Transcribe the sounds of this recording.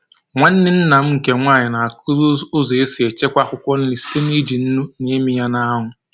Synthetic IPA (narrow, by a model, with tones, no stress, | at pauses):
ŋʷa˦n̩˦nɪ˦n̩˦na˨m̩˦ŋ̩˨ke˨ŋʷaː˦˨ɲɪ˨na˨a˨kʊ˦ʊ˦ze˦si˨e˨t͡ʃe˦kʷa˦kʷʊ˦kʷɔ˦n̩˦li˨si̥˦te˦n˦i˦d͡ʒi˨n̩˦nu˦ne˦mi˦ja˦na˦a˦ɦʊ˨